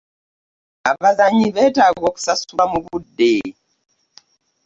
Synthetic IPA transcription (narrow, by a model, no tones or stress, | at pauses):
abazaɲiβɛtaɣɔksasuamuβudeː